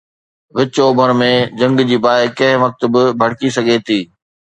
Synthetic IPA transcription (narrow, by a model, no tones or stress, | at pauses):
ʋɪt͡ɕoːbʱəɾmẽd͡ʑɐ̃ŋɡd͡ʑiːbaːekɐ̃ɦɪ̃ʋɐk̚t̪bɪbʱɐɽkisɐɡʱet̪ʰiː